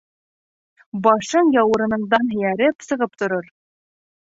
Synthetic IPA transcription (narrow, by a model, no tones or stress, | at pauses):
bɑʃɤɴjɑwɤ̆ɾɤ̆nɤ̆ɴd̪ɑnɦɘ̆jæɾɘpsɤ̆ʁɤp̚t̪ŏɾoɾ